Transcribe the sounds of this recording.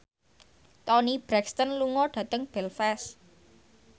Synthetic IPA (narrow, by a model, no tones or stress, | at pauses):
t̪ɔnib̥ɾɛkst̪ənluŋɔɖ̥ä̤t̪əŋb̥ɛlfɛs